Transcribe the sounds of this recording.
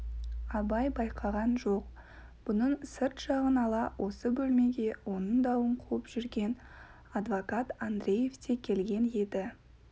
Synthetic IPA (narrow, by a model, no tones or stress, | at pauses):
ɑbɑjbɑjqʰɑʁɑnʒoq | b̥ʊnəɴsɪɾt̪ʃɑʁənɑlˠɑwʔo̞səbɵlme̞ɡʲe̞wo̞nəɴd̪ɑwəɴqʰuəpʒ̥ʏɾɡʲe̞n | ɑd̪vokɑt̪and̪ɾʲe̞je̞ft̪ʰe̞kʲʰe̞lɡʲe̞ne̞d̪ɪ